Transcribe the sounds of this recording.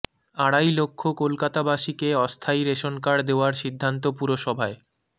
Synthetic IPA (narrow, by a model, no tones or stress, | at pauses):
aɽajlokʰːokolkat̪abaʃikeɔst̪ʰaiɾeʃonkaɾd̪eoaɾʃid̪ʱːant̪̬opuɾoʃɔbʱae